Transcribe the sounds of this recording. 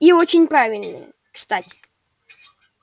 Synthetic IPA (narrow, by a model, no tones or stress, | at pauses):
iot͡ɕɪnʲpɾavʲɪlʲnɨ̰jə̰ | kst̪atʲɪ̥